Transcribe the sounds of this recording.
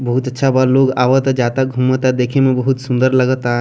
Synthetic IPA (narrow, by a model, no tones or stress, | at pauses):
bəɦut̪ətːʃʰabaloːɡaːʋət̪ad͡ʒat̪aɡʱumət̪ad̪eːkʰemẽbəɦut̪sũnd̪əɾləɡət̪aɦ